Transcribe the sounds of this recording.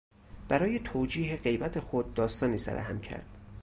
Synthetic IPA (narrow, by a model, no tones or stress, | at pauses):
b̥æɾɒːje̞t̪ʰoːd͡ʒiːɦeɢe̞jbæt̪ʰe̞xod̪̚ːɒːst̪ɒːniːsæ̰ɾæ̰hæ̰mcʰæ̰ɾd̪̥